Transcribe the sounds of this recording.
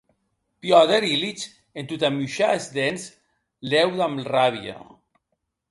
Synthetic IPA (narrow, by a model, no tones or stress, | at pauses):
pjɔðeɾilit͡ʃ | ent̪ut̪amuʃaezd̪ens | lɛwðamraβja̰